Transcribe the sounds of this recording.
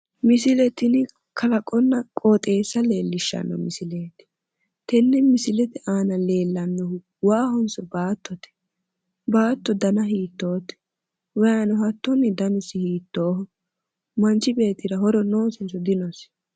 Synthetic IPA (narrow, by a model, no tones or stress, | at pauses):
mɪsɪlɛt̪ɪnɪ | kʰɐlɐkʼɔnːɐkʼoːt̪ʼe̞ːsːɐle̞ːlːɪʃːɐ̰nːɔ̰mɪsɪleːt̪ɪ̥ | t̪ɛnːɛmɪsɪlɛt̪ɛʔaːnɐle̞ːlːɐnːɔ | waːhɔnsɔbaːt̪ːɔt̪ɛ̥ | baːt̪ːɔd̪ɐnɐɦiːt̪ːoːt̪ɛ̥ | wɔjanɔɦɐt̪ːɔnːɪd̪ɐnɪsːɪhiːt̪ːoːhɔ | mɐnt͡ʃːɪbe̞ːt̪ːɪɾɐɦɔɾɔno̞ːsɪnsɔd̪ɪnɔs